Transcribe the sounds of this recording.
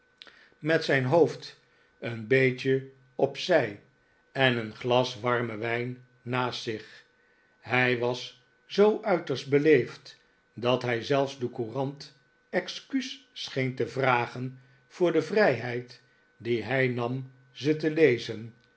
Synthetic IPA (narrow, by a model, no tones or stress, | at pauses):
mɛtsɛjnɦoʊft | ənbejt͡ʃə | ɔpsɛj | ɛnənχlɑsʋɑɹməʋɛjnː | aːstsɪχ | ɦɛjʋɑs | zowʔœɥtəɹst̚bəlejft | dɑtɦɛjzɛlˠfzdəkurɑnt | ɛkskyssχejntəvraːχən | v̥ʊːɹdəvrɛjɦɛjt | diɦɛjnɑm | zətəlejzən